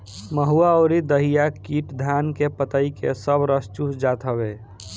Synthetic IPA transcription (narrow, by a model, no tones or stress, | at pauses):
məɦuaɔʊɾid̪əɦijakiʈd̪ʱankepət̪əikḛsəbɾəst͡ʃusd͡ʒat̪ʰəbe